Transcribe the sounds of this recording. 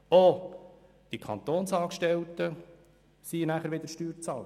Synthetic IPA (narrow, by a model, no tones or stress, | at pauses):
o | d̪̥ikʰɑ̰nt̪oːnsɑːkʃtɛlt̪ə | sinæχəɾʋɪd̪əɾʃtyːɾt͡sɑːl